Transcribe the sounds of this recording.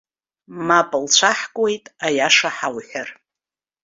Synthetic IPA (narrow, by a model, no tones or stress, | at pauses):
mapʼɨlt͡ɕʷʰaħkʷʼwe̞jtʼajaʂaħawħʷᶣar